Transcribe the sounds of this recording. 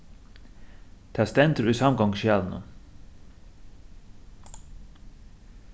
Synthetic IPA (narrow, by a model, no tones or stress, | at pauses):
t̪ʰæːst̪ɛnt̪əɾʉːsɑmɡɔŋʃjæːlnə̰